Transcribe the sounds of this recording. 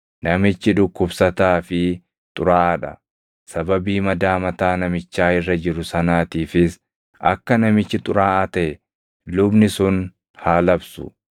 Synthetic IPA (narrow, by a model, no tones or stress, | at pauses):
nɐmɪt͡ʃːɪd̪ʊkːʊbsɐt̪aːfɪ | t̪ʼʊɾaːʔɐᶑɐ | sɐbɐbiːmɐd̪aːmɐt̪aːnɐmɪt͡ʃːaːɪrːɐd͡ʒɪɾʊsɐnaːt̪iːfɪs | ɐ̰kːɐnɐmɪt͡ʃːɪt̪ʼʊɾaːʔɐt̪ɐɛ | lʊbnɪsʊn | haːlɐbsʊ̰